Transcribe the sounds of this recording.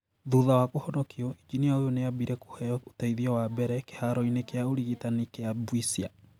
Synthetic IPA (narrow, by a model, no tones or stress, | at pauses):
ðuðawakohɔnɔkiɔid͡ʒiniaojoneabiɾɛko̥hɛɔotaiðiɔwabɛɾɛke̥haɾɔinekeaoɾiɣitanikeabwisia